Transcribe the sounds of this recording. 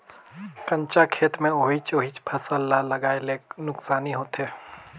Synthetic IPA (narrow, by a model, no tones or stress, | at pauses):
kɐ̃ɲt͡ʃakʰeːt̪mẽoːɦit͡ʃoːɦit͡ʃpʰɐsəlːalɐɡaːeleːnʊksaːniɦoːt̪ɦeː